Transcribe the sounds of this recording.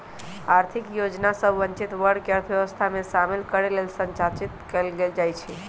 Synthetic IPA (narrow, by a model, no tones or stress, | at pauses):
aɾt̪ʰikjod͡ʒnasəbʱʋənt͡ʃit̪ʋəɾɖkeəɾt̪ʰjəʋəst̪ʰamesamelkəɾelelsə̃ɲt͡ʃat͡ʃit̪kelɡeld͡ʒajt͡ʃʰɛ